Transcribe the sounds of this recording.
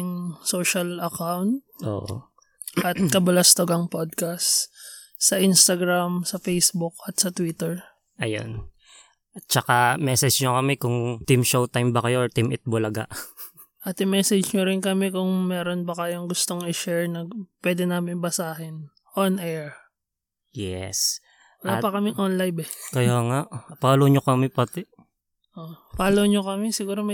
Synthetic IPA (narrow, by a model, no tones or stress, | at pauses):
ŋsoːʃɐlɐkawnt̪̚ʔo̰ʔ | ʔɐt̪̚kɐbɐlɐst̪oɡɐŋpod̪̚kast̪ | sɐʔinst̪ɐɡɾamsɐfejsbʊk̚ɐt̪sɐt̪wit̪ɛɹ | ʔɐjo̰n | t͡ʃɐkamɛsɛd͡ʒɲokɐmɛkʊŋt̪imʃowt̪ajmbɐkɐjoʔot̪imɪt̪̚bolɐɡa̰ʔ | ʔɐt̪ɪmɛːsɛd͡ʒɲoɾɪnkɐmɛkʊŋmɛːɾonbɐkɐjoŋɡʊst̪o̞ŋɪʃɛɹnɐɡpwɛːd̪ɛnaːmɪnbɐsaːɦɪn | ʔonʔɛɹ | jɛ̰s | wɐlapɐkɐmɪŋʔonlajbɛkɐjoŋaʔpaːloɲokɐmɛpɐt̪ɪ | ʔopaːlowɲokɐmɛsɪɡuːɾomɐ